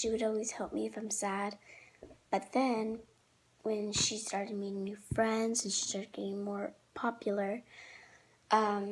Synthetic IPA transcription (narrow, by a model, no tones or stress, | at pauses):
ʃiwɨɾɔlˠwiz̥hɛlˠp̚miɨfãɪ̃msæd̚ | b̥ʌt̪̚ðɨ̃n | wɨ̃nʃistɑɹɾɨd̚miɾɪ̃ŋnʉfɹɛ̃ndzɨ̃n̩ʃi̥stɑɹɾɨd̚ɡ̥ɛɾɪ̃ŋmɔɹpʰɑpjl̩ˠə˞ | ʔʌ̃m